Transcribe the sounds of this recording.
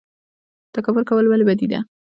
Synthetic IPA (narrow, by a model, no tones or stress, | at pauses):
t̪akawʊɾkawəlbalebad̪id̪a̰